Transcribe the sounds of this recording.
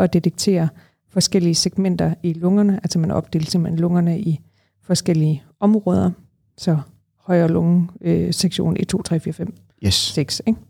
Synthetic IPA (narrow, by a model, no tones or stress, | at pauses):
ʔɒ̽d̥e̝dʰeɡ̥̚t͡sʰe̝̰ːɐ | fɒ̽sɡ̥el̰iəseɡ̥men̰d̥ɐilɔ̽ŋɐnəʔælsɒmænʔɒ̽b̥̚d̥e̝̰ːlsem̩hḛnlɔ̽ŋɐnəʔi | fɒ̽sɡ̥el̰iə | ɒ̽mʁɔ̽ːð̞ˠɐ | sɒ̽ | hɒ̽ɪ̰ɐɒlɔŋəseɡ̥ɕo̝̰ːnʔit͡sʰo̝̰ːt͡sʰʁɛ̰ːfiːɐfem̰ | seɡ̥seɡ̥